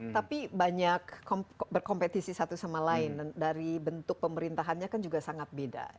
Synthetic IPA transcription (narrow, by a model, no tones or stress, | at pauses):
t̪apibaɲakːbərkɔmpet̪isisat̪usamalaɪndandaɾibənt̪ʊk̚pəməɾint̪aɦanɲakand͡ʒuɡasaŋat̪̚beda̰